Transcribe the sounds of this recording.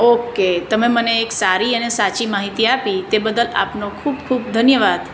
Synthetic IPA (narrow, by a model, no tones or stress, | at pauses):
oket̪əmeməneːksaɾiənesat͡ʃimaɦit̪iapit̪ebəd̪əla̰pnokʰuːbkʰuːbd̪ʱənjəʋad̪